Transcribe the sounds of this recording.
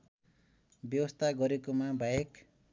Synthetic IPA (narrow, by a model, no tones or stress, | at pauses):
bjʌwʌst̪ʰaɡʌɾekomabʱajek